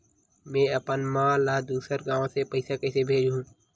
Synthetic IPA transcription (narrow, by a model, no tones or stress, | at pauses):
mẽːəpənmãːlaːd̪uːsəɾɡãːʋõsepəɪsakɛːsebʱeːd͡ʒɦũː